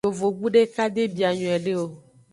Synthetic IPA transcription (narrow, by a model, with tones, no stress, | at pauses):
o˨vo˨ɡu˦ɖe˦ka˦d̪e˦bi˨a˨ɲɔ̃˨ɛ˨ɖe˦wo˦